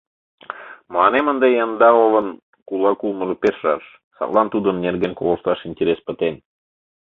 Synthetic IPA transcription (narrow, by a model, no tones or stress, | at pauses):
məlɑnemə̆nd̪ejɑnd̪ɑolɤ̆n | kulˠɑkulˠmɤ̆ʒɤ̆peʃrɑʃ | sɑ̰t̪lˠɑnt̪ud̪ə̆nːerɣenko̰lə̆ʃt̪ɑʃinʲtʲeɾʲespə̆t̪en